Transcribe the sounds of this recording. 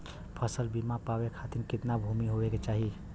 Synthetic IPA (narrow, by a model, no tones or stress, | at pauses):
pʰəsəlbimapawekʰat̪inkɪt̪nabʱumiɦoeket͡ʃaɦi